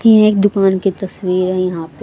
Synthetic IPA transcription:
ɛ̃eːk̚d̪ʊkaːnkit̪ɐswiːɾɦɛ̃jɐɦãːpe

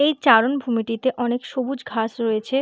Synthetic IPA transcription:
ejt͡ɕaɾonbʱumiʈit̪eʔɔnekʃobud͡ʑɡʱaʃɾoet͡ɕʰe

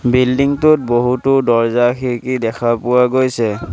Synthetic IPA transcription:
bildiŋtʊt̚boɦutʊdɔɹzaxikidɛkʰapʊwaɡojsɛ

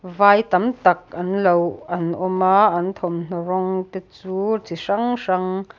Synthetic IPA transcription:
vaːjt̪ɐmt̪ɐkɐnlowʔɐnʔɔmaːʔɐnt̪ʰɔmn̥ɔɾɔŋt̪et͡suːt͡siʂɐŋʂɐŋ

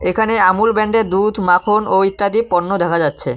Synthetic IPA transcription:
ekʰaneamulbɛɳɖeɾd̪ud̪ʱmakʰonoit̪ːad̪ipɔnːod̪ɛkʰad͡ʑatːɕʰḛ

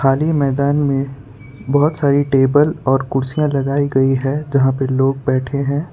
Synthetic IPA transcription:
xaːlimɛːd̪aːnmẽ | bɔɦʊt̪saːɾiʈeːbəlɔːɾkʊɽsijãlɐɡaːiɡɐiɦɛd͡ʒɐɦãpəloːɡ̚bɛːʈʰeɦɛ̃ː

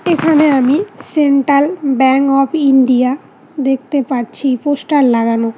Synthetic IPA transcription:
ekʰaneamiseɳʈalbɛŋkɔpʰiɳɖija | d̪ek̚ʰt̪epaɾt͡ɕʰiposʈalːaɡano

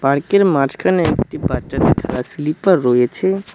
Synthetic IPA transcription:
paɾkeɾmaɾd͡ʑkʰaneek̚ʈibaʃat̪eʈʰalaslipaɾːoet͡ɕʰe

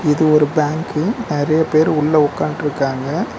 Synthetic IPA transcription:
ɪðɯɔɾɯbaːŋkɯnɪɾɐjɐpeːɾʊɭːɐɔkːaːnʈɾɯkːaːŋɡɐ

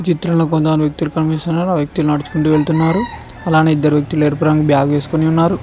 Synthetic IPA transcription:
t͡ʃit̪ɾɐmlo̞ːk̬ont̪ɐɐnʋjɐk̚t̪ilukɐnpist̪unaːɾuaːʋjɐk̚t̪ilunɐɽut͡ʃu̥kuɳʈuːʋe̞ɭt̪unːaːɾu | ɐlaːneːid̪ːɐɾuʋjɐk̚t̪ile̞ːɾpɾaŋɡɐbʱjaːɡɐʋe̞ːsu̥koniunːaːɾu

